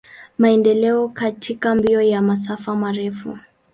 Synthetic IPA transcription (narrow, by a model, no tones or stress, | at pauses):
maɛndɛlɛɔkatʰikambiɔjamas̬afamaɾɛfṵ